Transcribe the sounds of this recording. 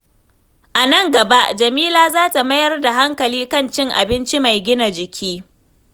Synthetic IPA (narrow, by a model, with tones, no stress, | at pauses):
ʔa˨nɐ˦˨ŋɡɐ˨ba˦ʔd͡ʒɐ˨miː˦laː˦zaː˦ta˨mɐ˦jɐ˦rda˨ɦa˦ŋkɐ˨liː˦kɐ˦nt͡ʃɪ˦ŋʔa̰˨bɪ˦nt͡ʃi˦ma˨jɡʲɪ˦na˨d͡ʒɪ˨kʲʰiː˦